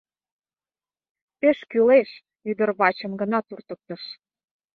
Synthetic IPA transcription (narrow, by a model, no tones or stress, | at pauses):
peʃkyleʃ | yd̪ə̆rβɑt͡ɕə̆mɡə̆nɑt̪urt̪ək̚t̪ə̆ʃ